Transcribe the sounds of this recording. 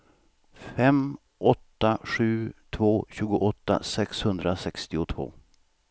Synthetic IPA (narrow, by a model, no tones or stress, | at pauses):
fɛm | ʔɔt̪ːaɧʉ̟ːt̪ʰvoːɕʉ̟ːɡʊʔɔt̪ːa̰sɛkshɵnd̪ɾasɛkst̪ɪʊt̪ʰvo̰ː